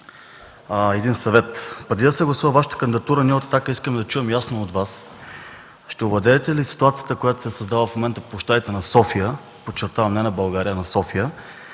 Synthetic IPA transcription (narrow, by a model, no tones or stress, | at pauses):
ɛd̪insɐvɛt̪pɾɛd̪id̪ɐsɛɡlˠɐsuvəvaʃə̥t̪ə̥kənd̪id̪ɐt̪uɾəniəot̪ɐ̥t̪akəiskəmɛd̪ɐt͡ʃuɛmjasnoːd̪vas | ʃt̪ɛoblɐd̪ɛːt̪ɛlisi̥t̪uat̪sijət̪əkojat̪o̥sɛsɐzd̪avlˠəfmomɛnt̪əpoʃt̪aɛt̪ɛnɐsɔfijə | pot͡ʃːɛɾt̪avɐmnɛnɐbɐlˠɡaɾijənɐsɔfijə